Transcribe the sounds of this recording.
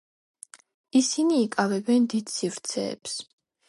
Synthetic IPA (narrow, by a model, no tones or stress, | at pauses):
isiniːkʼavɛbɛnd̪id̪sivɾt̪sʰɛ̰ːps